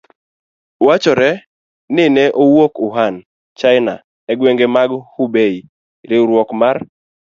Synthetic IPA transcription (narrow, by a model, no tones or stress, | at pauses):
wat͡ʃɔɾɛ | nɪnɛʔowokʊɦan | t͡ʃaɪna̰ | ɛɡweŋɡemaɡhubei | ɾɪɾwɔkmar